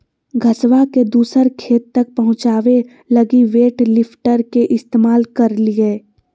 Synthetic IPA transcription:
ɡʱɐsʋaked̪uːsəɾkʰeːt̪ːɐk̚pɐɦʊ̃t͡ʃaːʋe | lɐɡiʋeːʈlɪpʰʈəɾkeʔɪst̪eːmaːlkɐɾlie

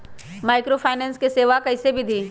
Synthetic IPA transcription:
maːɪkɾofʰaːɪnẽːnskeseːʋakɐɪsebʱid̪ʱiː

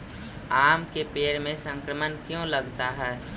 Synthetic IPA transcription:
aːmkepeːɾmẽsə̃ŋkɾəmənkjõləɡt̪aɦɛː

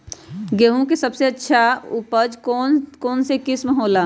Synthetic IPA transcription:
ɡeɦũkesəbseətːʃʰaupəd͡ʒkonkoːnsekisməɦoːla

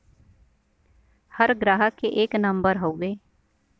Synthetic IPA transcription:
həɾɡɾaːɦəkeʔeːknɐ̃mbəɾɦoːɡeː

